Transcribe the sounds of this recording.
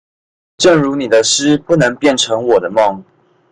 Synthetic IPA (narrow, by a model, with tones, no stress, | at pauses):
ʈ͡ʂə˥˩ŋɻu˧˥ni˨˩d̪ə˦ʂɻ̩˥pu˥˩nɤ˧˦˥ŋpjɛ˥˩˨nʈ͡ʂʰɤ˧˥ŋwɔ˨˩d̪ə˦mɑ˥˧˨ŋ